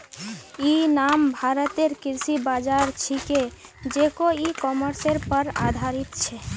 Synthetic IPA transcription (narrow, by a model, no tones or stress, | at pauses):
inambʱaɾət̪eɾkiɾsibad͡ʒaɾt͡ʃʰike | d͡ʒekoikɔməɾseɾpəɾa̰d̪ʱaɾit̪t͡ʃʰɛ